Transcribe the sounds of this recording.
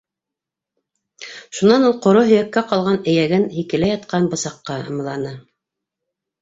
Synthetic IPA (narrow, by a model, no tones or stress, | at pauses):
ʃunɑnulˠqŏɾoɦɵ̆jækːæqɑlˠʁɑnɘ̆jæɡɘnhikɘ̆læjɑt̪qɑnbɤ̆sɑqːɑɤ̰̆mɤ̆lˠɑnɤ